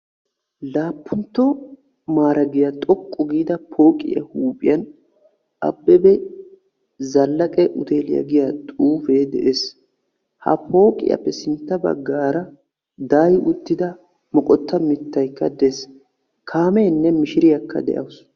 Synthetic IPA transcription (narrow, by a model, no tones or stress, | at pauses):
laːpːʊnt̪ːɔ | maːɾɐɡɪjɐt̪ʼɔkʼːɔɡiːd̪ɐpʰo̞ːkʼɪ̰jɐ̰huːpʼɪ̰jɐn | ɐ̰bːɛbɛ | zɐlːɐkʼɛʔʊt̪eːlɪ̰jɐ̰ɡɪjat̪ʼuːfeːd̪ɛʔeːs | hɐ̰pʰo̞ːkʼɪ̰jɐ̰pːɛsɪnt̪ːɐbɐ̰ɡːaːɾɐ | d̪aːjʔʊt̪ːɪd̪ɐ | mɔkʼɔt̪ːɐmɪt̪ːɐjkːɐd̪ɛs | kʰaːmɛnːɛmɪʃɪɾɪjɐkːɐ̰d̪ɛ̰ʔɐ̰wʊs